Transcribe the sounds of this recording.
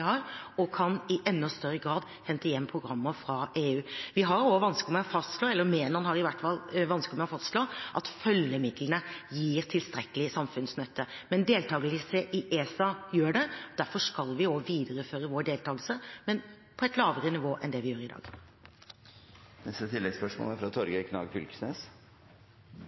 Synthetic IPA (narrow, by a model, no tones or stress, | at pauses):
hɑɾɔkʰɑnɪʔɛnːɔst̪œɾːəɡɾɑːd̪ | hɛnt̪əjɛmːpʰɾʊɡɾɑmːəfɾɑʔeːʉːʋɪɦɑɾoʋɑnskəɔmɛɔfɑst̪ʂloːɛlːəɾmeːnəɑnhɑɾɪʋæʈfɑlːʋɑnskəmɛɔfɑst̪ʂloʔɑt̪fœljəmɪd̪lənəjiːɾt̪ʰɪlst̪ɾɛkːəlɪsɑmfʉnsnœt̪ʰːəmɛnd̪eːlt̪ʰɑːɡələsəʔɪʔeːsɑjøːɖɛd̪̥æɾfɔʂkɑlʋɪoʋiːd̪əɾəføːɾəʋoːɖeːlt̪ʰɑːɡəlsəmɛn | pʰɔɛɪt̪lɑːʋəɾənɪʋoːʔɛnd̪ɛʋɪjøːɾɪd̪ɑ̰ːɡ̥ | nɛst̪ət̪ʰɪlːɛɡspœʂmo̰læɾfɾɑt̪ʰɔɾɡəkʰnɑ̰ːɡfʏ̰lksnḛːs